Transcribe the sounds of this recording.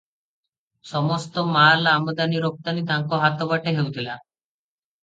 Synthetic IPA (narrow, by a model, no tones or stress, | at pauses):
sɔmɔst̪ɔmalamɔd̪aniɾok̚t̪anid̪ãŋkɔɦat̪ɔbaʈeɦewt̪ʰila